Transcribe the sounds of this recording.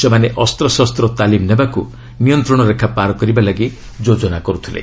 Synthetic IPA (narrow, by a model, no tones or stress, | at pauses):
semaneʔɔst̪ɾɔsɔst̪ɾɔt̪alimnebaku | nijɔnt̪ɾɔɽ̃ɔɾekʰapaɾɔkɔɾibalaɡi | d͡ʒod͡ʒɔnakɔɾut̪ʰilḛ